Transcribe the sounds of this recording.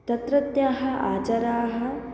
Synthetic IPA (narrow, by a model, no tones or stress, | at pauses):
t̪ɐt̪ɾɐt̪jaːɦɐaːt͡ʃɐɾaːɦɐ̆